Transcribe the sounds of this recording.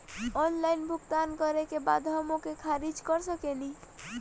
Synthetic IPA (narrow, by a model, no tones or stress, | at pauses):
ɔːnlaːɪnbʱʊɡt̪aːnkəɾekebaːd̪ɦəmokekʰaːɾid͡ʒkəɾsəkeni